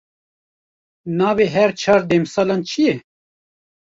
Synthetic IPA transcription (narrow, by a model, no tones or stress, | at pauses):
naːbeɦɛɾt͡ʃʰaːɾd̪emsaːlant͡ʃʰije